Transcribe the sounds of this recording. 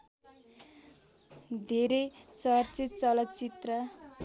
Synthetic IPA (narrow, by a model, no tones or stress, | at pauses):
d̪ʱeɾet͡sʌrt͡sit͡sʌlʌt͡sit̪rʌ